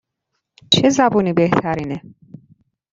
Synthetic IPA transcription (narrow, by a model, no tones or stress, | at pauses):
t͡ʃʰezæbuːniːbeht̪ʰæɾiːne